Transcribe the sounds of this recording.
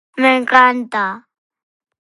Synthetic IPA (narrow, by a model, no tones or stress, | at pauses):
mɛŋkanta